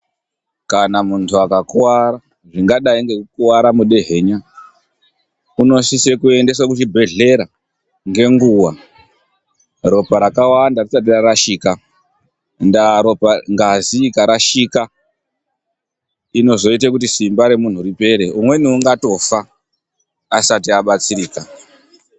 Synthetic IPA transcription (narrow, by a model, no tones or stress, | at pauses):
kanamuntʰuakakuwaɾa | ʐiŋɡaɗaiŋɡe̞kukuwaɾamuɗe̞ɦe̞ɲa | uno̞sisekue̞nde̞s̬wakuʃibʱe̞ɮe̞ɾa | ŋɡe̞ŋɡuwa | ro̞paɾakawandarisatiraɾaʃiːka | ndaɾo̞paŋɡazikaɾaʃika | ino̞zo̞it̬akutisimbaɾe̞mun̤uripe̞ɾe̞umwe̞niuŋɡato̞faː | satiaɓat͡siɾiːka